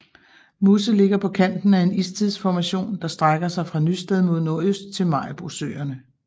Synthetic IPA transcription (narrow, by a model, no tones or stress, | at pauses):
musəle̝ɡ̥ɐpʰɒ̽kʰæn̰d̥n̩æe̝nist͡sʰiðˠsfɒmæɕo̝̰ːnd̥ɑ̈sd̥ʁaɡ̥ɐsɑ̈ɪfʁɑ̈nysd̥eð̞ˠmo̝ðˠno̝ɐøsd̥̚t͡sʰe̝lmɑ̈ɪb̥ʁosø̰ːɐnə